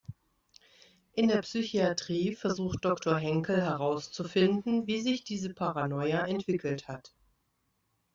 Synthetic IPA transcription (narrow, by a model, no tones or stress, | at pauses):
ʔɪndeːɐpsyçiatʁ̥iːfɛɐzuːxt̚d̥ɔktoɐɦɛŋkl̩ɦɛʁaʊst͡sufɪndn̩viːzɪçd̥iːzəpʰaʁanɔʏaʔɛntv̥ɪkl̩that